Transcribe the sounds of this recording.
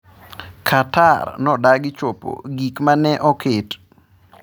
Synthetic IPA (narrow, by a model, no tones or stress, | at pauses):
kʰatarnɔdaɡɪt͡ʃopo̰ɡikmanɛʔɔkɪt